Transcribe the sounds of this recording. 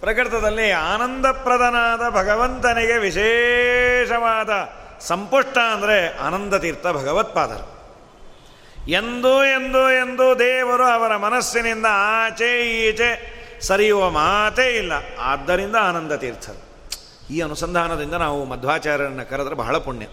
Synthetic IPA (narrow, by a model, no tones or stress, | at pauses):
pɾɐkɾt̪ɐd̪ɐlːiaːnɐnd̪ɐpɾɐd̪ɐnaːd̪ɐbʱɐɡɐʋɐnt̪ɐniɡeʋiʃeːʃɐʋaːd̪ɐsɐmpuʂʈɐɐnd̪ɐɾea̰ːnɐnd̪ɐt̪iːɾt̪ʰɐbʱɐɡɐʋɐt̪̚paːt̪ɐ̰ɾɐ̰ | e̞nd̪ue̞nd̪ue̞nd̪ud̪ɛːʋɐɾuɐʋɐɾɐmɐnɐsjinind̪ɐaːt͡ʃeiːt͡ʃesɐɾijuʋɐmaːt̪eilːɐa̰ːd̪ːɐɾind̪ɐaːnɐnd̪ɐt̪iːɾt̪ʰɐde | iːɐnusɐnd̪ʱaːnɐd̪ind̪ɐnaːʋumɐd̪ʱʋaːt͡ʃaːɾjɐɾɐnːɐkɐɾɐd̪ɐɾebʱɐ̰ɦɐɭɐpuɳjɐ̰